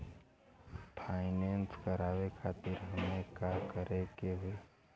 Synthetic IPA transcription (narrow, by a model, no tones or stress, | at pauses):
pʰaːɪnenskəɾaːʋekʰaːt̪ɪɾɦɐmekakəɾekeɦʊeː